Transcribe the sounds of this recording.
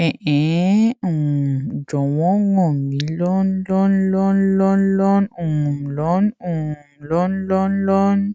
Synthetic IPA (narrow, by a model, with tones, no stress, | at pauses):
ɛ̃˨ʔɛ̃˨˦ũ˨d͡ʒɔ˨wɔ̃˦ŋɔ˨mĩ˨˦lɔ˦nlɔ˦nlɔ˦nlɔ˦nlɔ˦nũ˨mlɔ˨˦nũ˨mlɔ˦nlɔ˦nlɔ˦n